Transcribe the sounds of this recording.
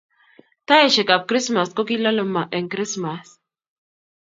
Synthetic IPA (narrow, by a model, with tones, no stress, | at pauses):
t̪a˦eʃe˨ka˨p̚kɾi˦sma˨sko˦kila˦lə˦ma˨ʔe˨ŋkɾi˦smas